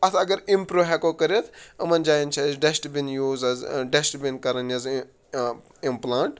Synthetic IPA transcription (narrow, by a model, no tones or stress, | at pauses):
ɐt̪ʰɐɡɐɾimpɾoɦɛkokɐɾet̪ʰɐmɐnd͡ʒaːjint͡ʃʰɐzɖesʈbinjuːzɐzɖesʈbinkɐɾɐnjɐz | implaːɳʈ